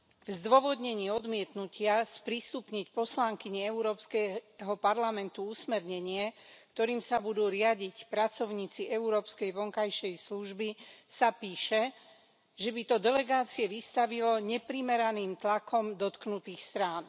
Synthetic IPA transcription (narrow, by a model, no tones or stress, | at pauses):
vzd̪ʋɔʋɔd̪ɲɛɲiːɔd̪mɪɛt̪nucɪaspɾist̪upɲicpɔslaŋkiɲiɛuɾɔːpskɛɦɔpaɾlamɛnt̪uusmɛɾɲɛɲɪɛkt̪ɔɾiːmsabud̪uːɾɪaɟicpɾat͡sɔʊɲiːt͡siɛuɾɔːpskɛjʋɔŋkajʃɛjsluʒbisapiːʃɛ | ʒɛbit̪ɔd̪ɛlɛɡaːt͡siɛʋist̪aʋilɔɲɛpɾimɛɾaniːmt̪lakʰɔmd̪ɔt̪knut̪iːxst̪ɾaːn